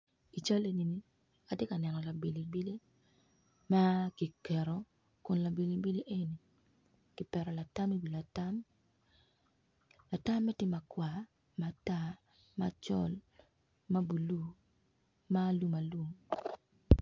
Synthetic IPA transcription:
i˨t͡ʃa˦le˦ni˨ni˦ | a˨te˦ka˨nɛ˨nɔ˨la˨be˨li˨bi˦le˦ | ma˦ki˨kɛ˨ɾɔ˨ | kʊ˨nla˨be˨li˨bi˦le˦ʔe˦ni˨ | ki˨pɛ˨ɾɔ˨la˨ta˦mi˦wi˨la˨ta˦m | la˨ta˦mːɛ˦tɪ˦ma˨kwa˨ | ma˨ta˦ | mat͡ʃɔ̰˦l | ma˦bu˨lu˦ | ma˦lu˦ma˨lu˦˨

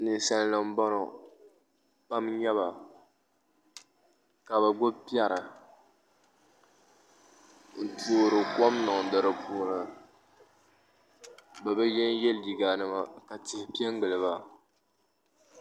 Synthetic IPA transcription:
nɨ˨n˦sa˦n˦la˨m̩˦bɔ˦nɔ˨ | pa˦mɲɛ˦βa˨ | ka˨bɛ˨ɡo˦pi˦ɛ˦ɾɨ˨ | n̩˨tuː˨ɾɨ˨kɔ˦mnɔ˨ŋ˨dɨ˨ɾɨ˨puː˦nɨ˨ | bɛ˨bɛ˦jɛ˦n˦jɛ˦lji˨ɡa˨nɨ˦ma˦ka˨ti˨hɪ˨pi˦ɛ˦ŋ˦ɡɨ˨lɨ˨βa˨

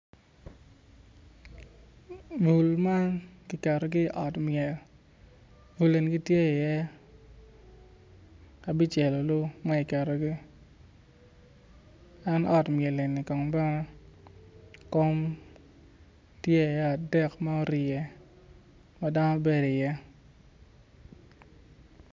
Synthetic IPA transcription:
vu˨lma˦nkɪ˨kɛ˨ɾo˨ɡɪ˦˨ʔɔ˨tmjɛ˨l | vu˨le˨nɡi˦tje˦˨jɛ˦ | a˨bi˦t͡ʃe˨lo˨lʊ˦ma˦i˨kɛ˨ɾo˨ɡi˦ | a˦nɔ˦tmjɛ˨le˨ni˨kɔ˨ŋbɛ˦ŋɔ˦ | ko˦m | tje˦i˨jɛ˦a˨dɛ˦kmɛ˦o˦ɾɪ˨jɛ˨ | ma˦da˦nɔ˦be˦di˨jɛ˦

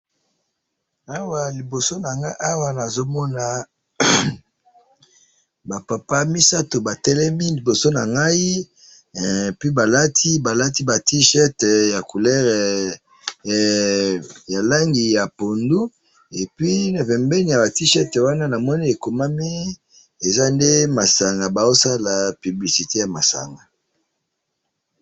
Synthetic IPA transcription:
a˦wa˨li˨bo˨so˦na˨ŋa˦ʔa˦wa˨na˨zo˦mɔ˦na˨ | ba˨pa˨pa˦mi˦sa˦to˨ba˨tɛ˦lɛ˦mi˦li˨bo˨so˦na˨ŋɡa˦i˦˨ | pi˦ba˨la˦tʰi˦ba˨la˦ti˦ba˨ti˦ʃɛ˦tja˨ku˨lɛ˦ʁɛ˨ | ja˨la˦ŋɡi˨ja˨po˨ndu˦ | e˨pɥi˦na˨pɛ˨mbɛ˦ni˨ja˨ba˨ti˦ʃɛ˦twa˦na˦na˨mɔ˦ni˦e˨ko˨ma˦mi˦ | e˨za˦nde˦ma˨sa˨ŋɡa˨ba˨o˦sa˦la˨py˨bli˨si˨te˦ja˨ma˨sa̰˨ŋɡa˨

